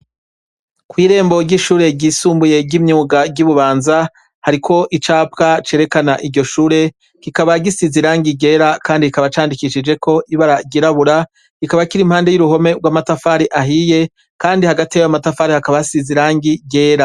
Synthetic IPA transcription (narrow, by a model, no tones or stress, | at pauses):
kwiːɾe̞ːmbo̞ɾɟiʃuːɾe̞ɟiːsuːmbuje̞ɟimɲuːɡaɟuβuβaːnza | haɾikʰo̞ʔit͡ʃaːp̚kat͡ʃe̞ːɾe̞kanaʔiɟo̞ʃuːɾe̞ | kikaβaɡisiziɾaːŋɡiɡe̞ːɾakaːndiikaβat͡ʃaːndikiʃid͡ʒe̞kʰo̞ʔiβaɾaɟiɾaβuɾa | ikaβakiɾimhaːnde̞juɾuɦo̞me̞ɡwaːmatafaːɾiʔaɦije̞ | kaːndihaɡatijaamatafaːɾihakaβaasiziɾaːŋɡiɟe̞ːɾa